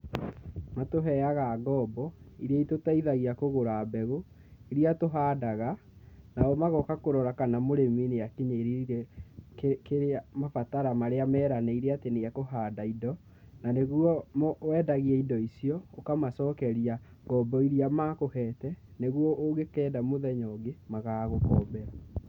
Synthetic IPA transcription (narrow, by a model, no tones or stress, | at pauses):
matoɦɛaɣaɡɔːbɔiɾiaitotaiðaɣiakoɣoɾaːbɛɣo | iɾiatoɦaːdaɣa | naɔmaɣɔkakoɾɔɾakanamoɾemineakiɲeɾiɾɛkkeɾeamafataɾamaɾeamɛːɾanɛiɾeateneakoɦaːdaidɔ | naneɣwɔmɔwɛdaɣiɛidɔisijɔokamasɔːkɛɾia | ɡɔbɔiɾiamakohɛtɛneɣwɔʔoɡekɛːdamoðɛɲɔɡemaɣaːɣokɔːbɛɾa